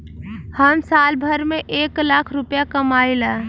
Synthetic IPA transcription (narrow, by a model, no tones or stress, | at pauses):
həmsalbʱəɾmeʔeklakʰɾupjakəmaila